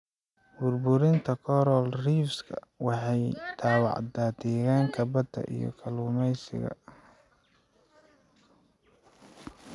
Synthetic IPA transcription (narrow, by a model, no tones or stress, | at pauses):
bʊrbʊɾɪnt̪ʰɐkʰɔɾɔlriːfskʰɐ̰wɑħɑjd̪̥ʰaːwɑ̰ʕd̪aːd̪ɛːɣaːŋkʰɐbɐd̪ɐ̰ʔḭjɞ̰kʰɐluːmɛjsɪ̰ɣɐ̰